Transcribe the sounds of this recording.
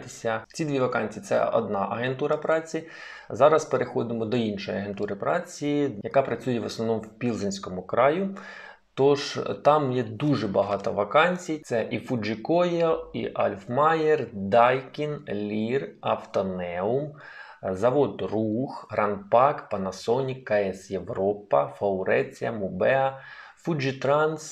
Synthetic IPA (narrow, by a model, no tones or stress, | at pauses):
t̪esʲɐt͡sʲid̪ʋʲiʋɐkɑnʲt͡sʲit̪sɛ̰ɔ̰d̪nɑʔɐɦe̞nt̪uɾɐpɾɑt͡sʲi | zɑɾɐspeɾexɔd̪ɪmɔd̪ɔinʃɔjɐɦe̞nt̪uɾɪpɾɑt͡sʲiijɐkɑpɾɐt͡sʲujɛʋɔsnɔʋnɔmwpʲilˠzɪnʲsʲkɔmʊkɾɑjʊ | t̪ɔʒt̪ɑmjɛd̪uʐɛbɐɦɑt̪ɔʋɐkɑnʲt͡sʲijt̪sɛʔifud͡ʒɪkɔjɐḭʔɐlʲfmɑjerd̪ɑjkʲinlʲirɐft̪ɔnɛʊm | zɐʋɔd̪ruxɦɾɐnpɑkpɐnɐsɔnʲikkːɐɛsjeʋɾɔpɐfɐʊɾɛt͡sʲijɐmʊbɛɐ | fud͡ʒit̪ɾɑns